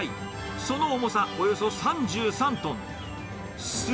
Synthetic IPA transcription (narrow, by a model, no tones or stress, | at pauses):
i | so̞noːmosaojo̞so̞sãɲ̟d͡ʑɨːsãnt̪õn | sɨ